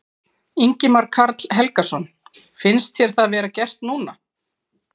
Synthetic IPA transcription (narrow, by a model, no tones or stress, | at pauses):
iɲcɪmaɾkʰaɾt̪l̥ɦɛlkasɔn | fɪnst̪çjɛɾ̥θavɛːɾacɛr̥t̪nuːna